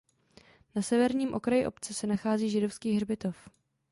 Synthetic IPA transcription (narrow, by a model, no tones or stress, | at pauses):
nasɛvɛɾɲiːmʔo̞kɾajɪʔo̞̰pt͡sɛsɛnaxaːziːʒɪdo̞fskiːɦrbɪt̪o̞f